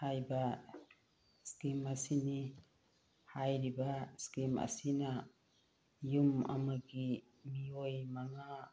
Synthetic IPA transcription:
hajba | skimasini | hajɾibaskima̰sina | juma̰maɡi | miojmaŋa

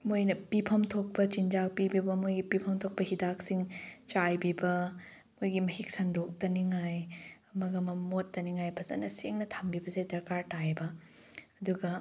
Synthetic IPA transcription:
mojnɐpipʰɐmtʰok̚pɐt͡ʃind͡ʒak̚pibibɐmojɡipipʰɐmtʰok̚pɐhidak̚siŋt͡ʃajbibɐ | mojɡimɐhik̚sɐndok̚tɐniŋajɐmɐɡɐmɐmotːɐniŋajpʰɐzɐ̰nɐseŋnɐtʰambibɐzedɐɾkaɾtajbɐ | ɐduɡɐ

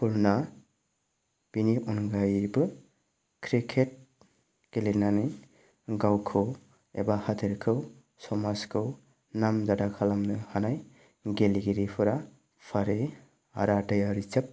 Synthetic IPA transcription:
pʰuɾna | b̥iniʔunɡajbɯ | kʰɾikʰet̚ | ɡ̥elenanɯ | ɡawkʰɯw | ḛbahatʰiɾkʰɯw | sɔmaskʰɯw | namzadakʰalamnɯhanaj | ɡeliɡiɾipʰɯɾa | pʰaɾe | a̰ɾadajaɾit͡ʃɯp̚

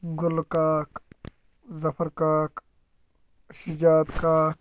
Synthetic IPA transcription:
ɡʊlkaːk | zɐfʰəɾkaːk | ʃid͡ʒaːd̪kaːk

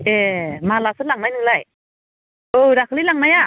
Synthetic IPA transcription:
emalasɯt̚laŋmajnɯlaj | oɾakʰlilaŋmaja

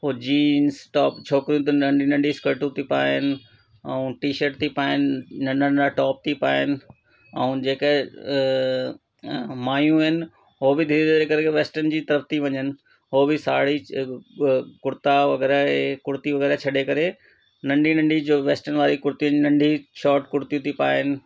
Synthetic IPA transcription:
ɦoːd͡ʑiːnsʈɔːpt͡ɕʰoːkɾijũt̪̬ɐnɐ̃ɳɖʱinɐ̃ɳɖʱiskəɾʈũt̪ʰipaːɦɪnɪ̆ | ɛ̰̃ũːʈiːʃəɾʈ̚t̪ʰipaːɪnɪnɐ̃ɳənaʈɔːp̚t̪ʰipaːɦɪnɪ̆ | ɛ̰ũd͡ʑeːk | maːjũɪnɪ̆ | ɦobɪd̪ʱid̪eɾekɐɾekeʋeːsʈənd͡ʑiːt̪ɐɾəft̪iʋɐɲənɪ̆ | ɦobɪsaːɽi | kʊɾt̪aʋɐɣɛːɾaekʊɾt̪iʋɐɣɛːɾat͡ɕʰɐɗekɐɾe | nɐ̃ɳɖʱinɐ̃ɳɖʱid͡ʑoːʋeːsʈənʋaːɾikʊɾt̪ĩnnɐ̃ɳɖʱiʃɔːʈkʊɾt̪ijũt̪ʰipaːɦɪnɪ̆

